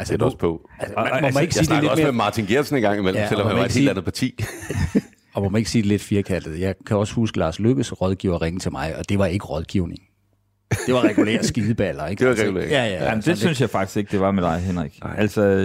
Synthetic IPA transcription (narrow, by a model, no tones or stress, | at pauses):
ælsdɒspʰɔælsəmɒmæne̝ɡ̥siːdele̥dmeɐemɑ̈ːt͡sʰinɡ̥eɐ̥snenɡ̥ɑ̈ŋ̰imelmelmhneɡ̥eːld̥ænð̩ˠpʰɑ̈t͡sʰḭː | ɒ̽mɒmæne̝ɡ̥siːd̥ele̝d̥fiɐkʰæl̰d̥ð̩ˠjɑ̈ɪkʰæɒ̽shusɡ̥əlɑ̈ːsløɡ̥əsʁɒ̽ð̞ˠɡ̥iʊ̰ɐʁeŋət͡sʰe̝lmɑ̈ɪʔɒ̽d̥e̝ʋɑ̈e̝ɡ̥əʁɒ̽ð̞ˠɡ̥iʊne̝ŋ | d̥e̝ʋɑ̈ʁɛɡ̥ulḛɐ̰sɡ̥iðˠb̥ælɐe̝ɡ̥eɛɡulḛɐjæjæjamnd̥esynsjɑ̈ɪfɑ̈ɡ̥d̥i̥se̝ɡ̥̚d̥e̝ʋɑ̈medɑ̈ɪɦenʁiɡ̥ælsɒ